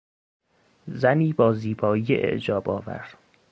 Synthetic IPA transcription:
zæniːbɒːziːbɒːijeʔḛʔd͡ʒɒːbɒ̰ːvæ̰ɾ̥

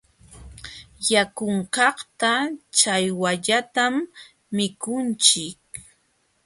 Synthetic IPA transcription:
jakʊɴkɑχt̪at͡ʃajwaʎat̪amː | ɪkʊnt͡ʃɪk̚

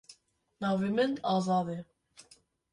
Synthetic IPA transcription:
nɑːvemɛnd̪ɑːzɑːd̪ɛ

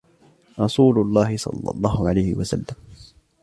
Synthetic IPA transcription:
ɾˤɑsuːlʊlˤːɑːhɪsˤɑ̰lːɑ̰lˤːɑːhʊʕalajhɪwasa̰lːam

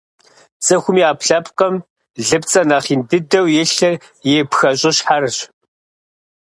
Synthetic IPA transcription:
t͡sʼɐxʷʊmiːaːpʰɬɐpqɐm | ɮɨpt͡sʼɐnaːχiːndɨdɐwjɪɬɐ | jeːpxɐɕʼɪɕħarɕ

